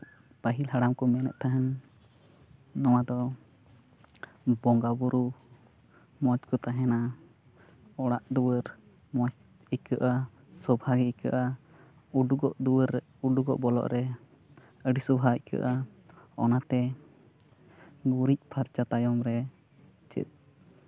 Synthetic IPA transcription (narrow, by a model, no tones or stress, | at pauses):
pəɦilhaɽamkɔmɛnɛ̰ʔ̪̚t̪ʰaɦɛn | ɔwad̪ɔ | bɔŋɡabuɾu | mɔt͡ʃkɔt̪aɦɛna | ɔɽaʔd̪uwəɾ | mɔt͡ʃ | ikəʔa | sɔbʱaɡiikə̰ʔa | uɖuɡɔʔd̪uwəɾ | uɖuɡɔ̰ʔbɔlɔ̰ʔɾɛ | əɖisɔbʱaikə̰ʔa | ɔ̰nat̪ɛ | ɡuɾic̚ˀpʰaɾt͡ʃat̪ajɔmɾɛ | t͡ʃɛ̰t̪̚